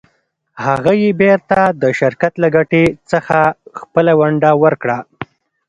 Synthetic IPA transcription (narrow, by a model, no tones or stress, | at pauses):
haɣajebeɾt̪ad̪əʃɪɾkat̪laɡaʈet͡səxaxpəlawaɳɖawəɾkɽa